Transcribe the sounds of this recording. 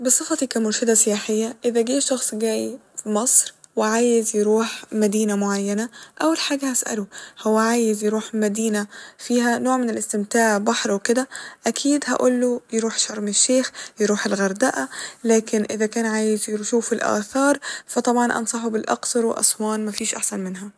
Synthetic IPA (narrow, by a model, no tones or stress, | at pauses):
bɨsˤɨfɑt̪ikæːmʊɾʃɪd̪æsɪjaːħejːæʔɪðæɡiːʃɑxsˤɡæːjifimɑsˤɾ | wɪʕaːjɪzjeɾuːħmæd̪iːnæmoʕajːænæʔæwːelħaːɡæhæsʔæ̰lohowːæʕaːjɪzjeɾuːħmæd̪iːnæfiːɦænoːʕmɪnelɪst̪ɪmt̪aːʕbɑħɾˤweked̪æʔækʰiːd̪hæ̰ʔolːojeɾuːħʃɑɾˤmeʃːeːxjeɾuːħelɣɑɾˤd̪æʔælæːkɪnʔɪðækæːnʕaːjɪzjeʃuːfelʔæ̰ːθɑːɾˤfæt̪ˤɑbʕɑnʔɑ̰nsˤɑħubɪlʔɑ̰qsɑɾˤwḛʔɑ̰sˤwɑːnmæfiːʃʔaħsænmɪnɦæ